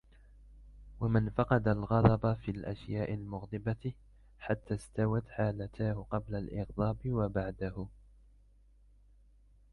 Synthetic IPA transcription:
wamɪnfɑqɑd̪alɣɑd̪ˤɑbafilʔaʃjaːʔɪlmʊɣd̪ˤɨba | ħat̪ːaːst̪awat̪ħaːlat̪ʰaːhʊqɑblalʔɪɣd̪ˤɑːbɪwabaʕd̪ahʊ

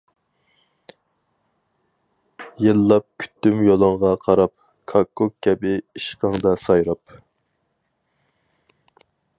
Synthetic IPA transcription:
jelːɑp̚kʲʰy̥t̪ːymjolˠɑŋʁɑqʰɑɾɑp̚ | kʰɑkːokkʲːɛbɪiʃqɑŋd̪ɑsɑjɾɑp̚

